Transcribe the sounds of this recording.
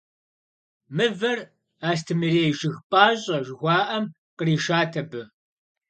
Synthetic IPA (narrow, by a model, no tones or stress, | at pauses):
mɨvɐr | aːs̬tʰɨmɨɾeːjʒɪxpʼaːɕʼɐʒxʷaːʔɐm | qəɾiːʃaːtʰɐbɨ